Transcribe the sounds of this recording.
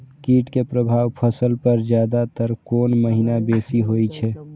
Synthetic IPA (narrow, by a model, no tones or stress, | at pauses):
kiːʈkepɾəbʱaːʋpʰəsəlpəɾd͡ʒjaːd̪at̪əɾkoːnməɦinabeːsiɦoit͡ʃʰɛː